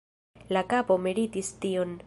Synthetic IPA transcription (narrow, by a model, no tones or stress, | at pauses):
lakapo̞meɾitistion